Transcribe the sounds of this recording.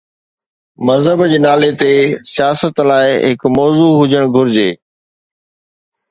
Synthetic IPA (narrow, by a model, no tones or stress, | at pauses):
mɐzɦəbd͡ʑeːnaːlet̪esijaːsət̪laːɪɦɪkmɔːzuɦʊd͡ʑəɽ̃ɡʱʊɾɪd͡ʑeː